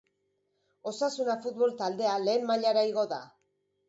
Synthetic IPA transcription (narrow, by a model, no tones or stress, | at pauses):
o̞sasunafut̪̚βo̞lt̪ald̪e̞ale̞ːmmaʎaɾaiɣo̞ða̰